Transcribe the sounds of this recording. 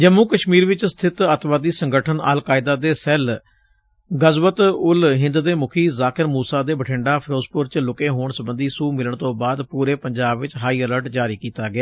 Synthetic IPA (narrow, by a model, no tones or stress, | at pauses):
d͡ʒəmuːkəʃmiːɾʋɪt͡ʃsə̥t̪ʰɪt̪ət̪ʋaːd̪iːsəŋɡəʈʰənə̰ːlkaːɪd̪aːd̪eːsɛːl | ɡəzʋət̪ʊlɦɪ̃nd̪d̪eːmʊkʰiːzaːkəɾmuːsaːd̪eːbəʈʰɪɳɖaːpʰɾoːspʊɾt͡ʃlʊkẽːɦoːɳsəbənd̪iːsuːmɪləɳt̪õːbaːd̪puːɾeːpəɲd͡ʒaːbʋɪt͡ʃɦaːiːɛləɾʈd͡ʒaːɾiːkiːt̪aːɡɪaː